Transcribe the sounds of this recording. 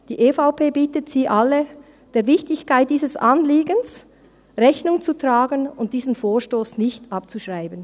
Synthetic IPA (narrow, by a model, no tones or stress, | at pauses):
d̥iːʔeːfaʊpʰeːbiːtətsiːʔalə | d̥eːɐvɪçtɪçkʰaɪt̚d̥iːzəsʔanliːɡəns | ʁɛçnʊŋt͡sutʁaːɡənʊnt̚d̥iːzn̩foːʃtoːsnɪçtʔɑp̚t͡suʃʁaɪbən